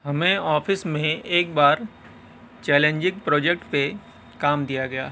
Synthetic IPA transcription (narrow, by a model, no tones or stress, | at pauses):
ɦɐmẽɔːfɪsmẽeːk̚baːɾ | t͡ʃɛːlẽɲd͡ʒɪk̚pɾɔːd͡ʒɛkʈpe | kaːmd̪ijaɡɐja̰ː